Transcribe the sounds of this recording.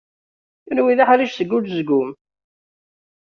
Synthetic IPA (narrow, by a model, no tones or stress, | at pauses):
θunwiðaħɾiʃθəɡːulzɡʊm